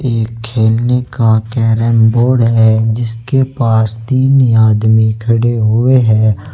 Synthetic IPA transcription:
eːkʰːeːlnekakɛːɾɛːmboːɾɖɦɛd͡ʒɪskepaːst̪iːnaːd̪mikʰɐɽeɦʊeɦɛː

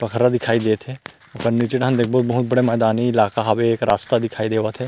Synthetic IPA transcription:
pəkʰəɾad̪ɪkʰaːid̪eːt̪ʰeː | ʊkənnit͡ʃɪʈɦãnd̪ek̚bɔːt̪bəɦʊt̪̚bəɽeːmɛːd̪aːniɪlaːkaɦaʋekɾaːst̪ad̪ɪkʰaːid̪eːʋat̪ʰeː

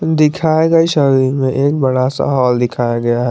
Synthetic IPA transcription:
d̪ɪkʰaːjeɡəiʃəɾiːɾmẽʔeːk̚bɐɽasa̰ɦɔːld̪ɪkʰaːjaɡɐjaɦɛ

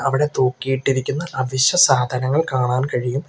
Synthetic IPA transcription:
ɐʋiɽe̞t̪oːkːijiʈːiɾikʲːunːɐʔɐʋiɕɐsaːd̪ʱɐnɐŋːɐɭkaːɳaːnkɐɻijum

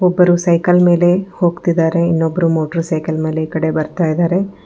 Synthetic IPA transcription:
ɔbːɐɾusɐjkɐlme̞ːle̞ho̞ːɡt̪id̪ːaːɾe̞inːobːɐɾumoːʈɐɾsɐjkɐlme̞ːleiːkɐɽe̞bɐɾt̪aːjid̪aːɾe̞

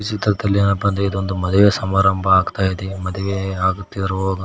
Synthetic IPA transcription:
it͡ʃit̪ɾɐd̪ɐlːiɐnɐbɐnd̪eid̪uond̪umɐd̪ɐʋesɐmaːɾɐmbʱɐaːɡt̪aːjid̪emɐd̪ɐʋeaːɡut̪ːid̪ɐɾuʋoɡɐ

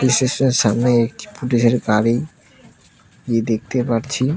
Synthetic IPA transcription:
iʃeʃoneɾʃamneek̚ʈi̥puʈeʃeɾɡaɾej | ed̪ek̚ʰt̪epaɾt͡ɕʰi

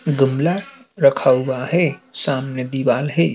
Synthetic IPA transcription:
ɡəmla | ɾəkʰauwaɦɛsaːmned̪iʋaːlɦɛ

